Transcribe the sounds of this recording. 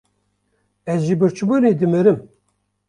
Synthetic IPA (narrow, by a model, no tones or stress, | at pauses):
ɛzʒibɨɾt͡ʃɨbuːned̪ɨmɨɾɨm